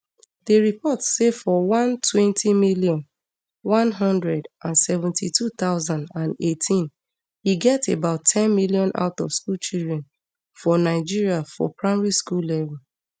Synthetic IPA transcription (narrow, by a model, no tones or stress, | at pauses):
dəɹipɔtsefɔwʌ̃ntʰwɛ̃ntimilijɔ̃n | wɔ̃nɦʌ̃ndɹɛdʔãnsɛvɛ̃ntʰitʰut̪aʊzãndãnetʰĩn | hiɡɛtebaʊtʰːɛ̃nmiliɔ̃nʔa̰ʊtɔv̥skult͡ʃildɹɛ̃n | fɔnaɪd͡ʒiɹiafɔ̰pɹaɪmɹiskullɛvɛl